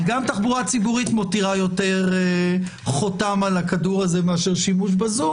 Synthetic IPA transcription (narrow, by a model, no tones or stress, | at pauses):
ɡamtaχbuʁat͡sibuʁit̪motiʁajo̞te̞ʁe | χotamalakaduʁazemeaʃeʁʃimuʃ̬bazu